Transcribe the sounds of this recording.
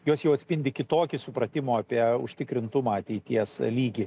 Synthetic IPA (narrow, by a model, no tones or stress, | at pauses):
joːsjɛʊɐt̪sʲpʲɪnʲd̪ʲɪkʲɪt̪oːkʲɪsʊpɾɐt̪ʲɪmoːɑpʲiɛʊ̰ʃʲt̪ʲɪkɾʲɪnt̪ʊmɐɐt̪ʲɛɪt̪ʲiɛslʲiːɡʲi